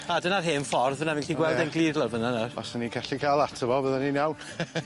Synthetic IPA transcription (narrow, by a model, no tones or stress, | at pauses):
adənarɦeːnfɔrðvənavɪnkʰiɡwɛlˠdɛnɡlˠiːdlˠɔrvənanarɔ̰sənikʰaɬikʰalˠatʰəvɔbəðaninawn